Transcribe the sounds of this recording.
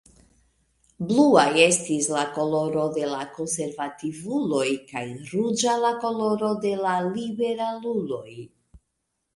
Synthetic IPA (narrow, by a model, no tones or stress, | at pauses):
bluaje̞stislako̞lo̞ɾo̞de̞lako̞nse̞ɾvativulo̞jkajɾud͡ʒalako̞lo̞ɾo̞de̞lalibe̞ɾalulo̞j